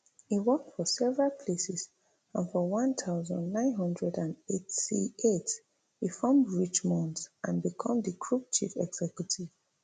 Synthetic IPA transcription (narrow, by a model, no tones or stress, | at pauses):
iwɔk̚tfɔsɛvəɹalˠpʰlesɛs | ãnfɔwʌ̃ntʰaʊzə̰̃ndnãɪ̃nɦʌ̃ndɹɛdãnetsḭet | ifɔ̃mdɹit͡ʃmɔ̃ntʔãnbikʰʌ̃mðikʰɹup̚t͡ʃʰḭfɛɡz̥ɛkjutʰiv̥